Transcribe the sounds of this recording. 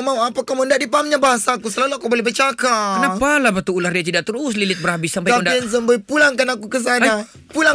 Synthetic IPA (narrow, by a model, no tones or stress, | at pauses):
mauapakamundaʔdipaɦamɲabaɦasakusəlaluakabolɛbət͡ʃakakənapalahbat̪uulahdiat̪idaʔt̪əɾʊs̬lilɪt̪̚bərhabɪsːampajandains̬əmbəjpulaŋkanakukəs̬aa | pulaŋ